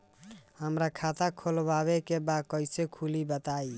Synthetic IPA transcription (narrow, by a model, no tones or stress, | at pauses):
həmɾakʰat̪akʰolbaβekebad̪̚kəjsekʰulibət̪ai